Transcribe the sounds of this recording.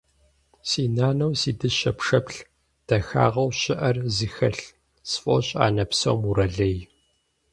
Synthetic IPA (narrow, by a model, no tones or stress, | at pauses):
siːnaːnɐwsiːdɨɕɐpʂɐpɬ | d̥ɐxa̰ːʁɐwɕɪʔɐrzixɐɬ | sfʼo̰ɕʼa̰ːnɐpsɐ̰wmuɾɐɮɐj